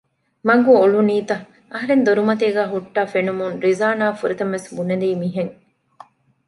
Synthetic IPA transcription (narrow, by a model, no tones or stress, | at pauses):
mɐɡuoluniːt̪ɐ | ʔɐɦɐɾend̪oɾumɐt̪eːɡæːɦuʈːaːfenumuŋɾizaːnaːfuɾet̪ɐmʋesbunɐd̪iːmiɦeŋ